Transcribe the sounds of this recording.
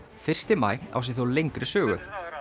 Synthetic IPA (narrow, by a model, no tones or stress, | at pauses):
fɪr̥st̪ɪma̰ːja̰ws̬ɪθuowlejŋkɾɪsœːɣʏ̰